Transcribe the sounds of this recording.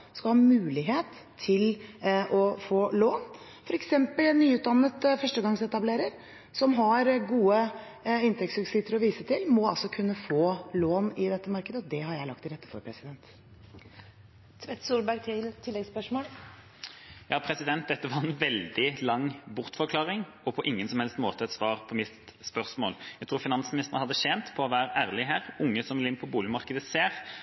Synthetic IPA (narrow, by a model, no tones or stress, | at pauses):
skɑlhɑːmʉːlɪɦeːt̪ʰːɪlʔɔfoːloːn | fɔɾɛksɛmpəlnyːʉːt̪̚d̪ɑnːət̪fœʂʈəɡɑŋsɛt̪ɑbleːɾəɾ | sɔmɦɑɾɡuːə | ɪnt̪ʰɛk̚tsʉksɪt̪ːəɾɔʋiːsət̪ʰɪlmɔɑlsɔkʰʉnːəfoːloːnɪd̪ɛt̪ːəmɑɾkəd̪əɔd̪ɛhɑɾjæɪlɑkt̪ɪɾɛt̪ːəfɔ̰ɾpʰɾɛsɪd̪ɛnt̪ | t̪ʰʋɛt̪ːsuːlbæɡt̪ʰɪlt̪ʰɪlːɛɡspœʂmoːl | jɑːpʰɾɛsɪd̪ɛnt̪̚d̪ɛt̪ːəʋɑʁɛnʋɛld̪ɪlɑŋːbʊʁt̪fɔɾkʰlɑːʁɪŋʔɔpʰɔʔɪŋːənsɔmhɛlst̪moːt̪əɛt̪sʋɑːʁpʰɔmɪt̪spœʁsmo̰ːljæt̪ʰɾuːɾfɪnɑnsmɪnɪst̪əʁənhɑd̪ːəʃɛnt̪pʰɔɔʋæːɾəæːʁlɪɦæːʁʊŋːəsɔmlɪnpʰɔbuːlɪmɑʁkəd̪əseːʁ